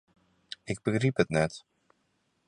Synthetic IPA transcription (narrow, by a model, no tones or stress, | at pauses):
ɪɡ̚bəχripɦətnɛt